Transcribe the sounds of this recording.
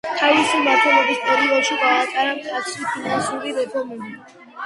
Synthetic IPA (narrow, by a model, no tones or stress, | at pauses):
t̪ʰavisimaɾt̪ʰɔlɔbispʼɛɾivɔlˠʃiɡaat̪ʼaɾamd̪at̪sʰɾipʰinansuɾiɾɛpʰɔɾmuli